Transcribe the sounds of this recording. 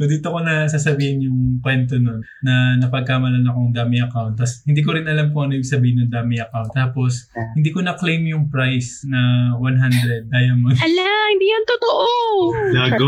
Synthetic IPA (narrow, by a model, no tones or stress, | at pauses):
sod̪iːt̪okonɐsaːsɐbiːhɪnjʊŋkwɛnt̪ono̞nːɐnɐpɐɡ̚kaːmɐlɐnɐkoŋd̪aːmɪʔɐkawnt̪̚ːɐshɪnd̪iːk̬oɾɪnɐlamkʊoʔɐnoʔɪbʲiɡ̥̚sɐbiːhɪnjʊŋd̪aːmɪʔɐkawnt̪ːaːpo̞shɪnd̪iːkonɐklejmjʊŋpɹajsnɐwanɦand̪ɾɛd̪̚ːaːjɐmɐɐlahɪnd̪iːjant̪ot̪oʔoaɡo